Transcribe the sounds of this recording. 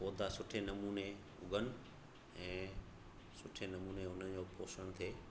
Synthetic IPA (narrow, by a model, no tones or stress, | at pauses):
poːd̪ʱasʊʈʰenɐmuːne | ʊ̰ɡʱənɪ̆ | ɛ̃ː | sʊʈʰenɐmuːneʊn̤ənɪ̆d͡ʑoːpoːʃəɽ̃t̪ʰeː